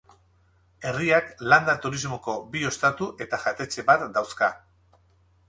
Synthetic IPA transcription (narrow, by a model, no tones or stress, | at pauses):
e̞riakland̪at̪uɾizmo̞ko̞bio̞st̪at̪uʔe̞t̪aʝat̪e̞t͡ʃe̞βat̪d̪awska